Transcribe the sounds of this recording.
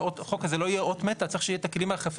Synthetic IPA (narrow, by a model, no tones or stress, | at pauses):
otχokazelo̞ijeʔot̪met̪ːat͡saɐʁiʃeijet̪aklimeaχef